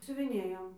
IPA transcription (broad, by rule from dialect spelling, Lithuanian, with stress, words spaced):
sʲʊʋʲɪˈnʲeːjoːm